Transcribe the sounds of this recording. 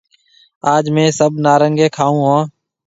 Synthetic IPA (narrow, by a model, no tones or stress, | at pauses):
aːd͡ʒmẽːsəbnaːɾəŋɡeːkʰaːũːɦãː